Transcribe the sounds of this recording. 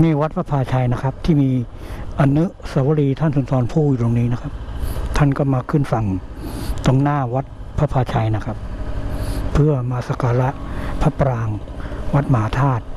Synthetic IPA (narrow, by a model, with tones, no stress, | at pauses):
miː˧˥˩wa˦˥t̪̚pʰa˦˥pʰaː˧t͡ɕʰa˧jna˦˥kʰa˦˥p̚t̪ʰiː˥˩miː˧ | ʔa˧nːɯ˦˥saː˨˦wa˦ɾiː˧t̪ʰa˥˩nsu˨˩˦nsɔː˧npʰuː˥˩˧ɾoː˧ŋniː˦˥na˦˥kʰa˦˥p̚t̪ʰa˥˩nkɔː˥˩maː˧kʰɯ˥˩nfa˨˩ŋ | t̪o˧ŋnaː˥˩wa˦˥t̪̚pʰa˦˥pʰaː˧t͡ɕʰa˧jna˦˥kʰa˦˥p̚ʰː | ɯ˥˩ɐmaː˧sa˧kaː˧ɾa˦˥ʔpʰa˦˥pɾaː˧ŋwa˦˥t̪̚ma˨ɦaː˨˦t̪ʰaː˥˩t̪̚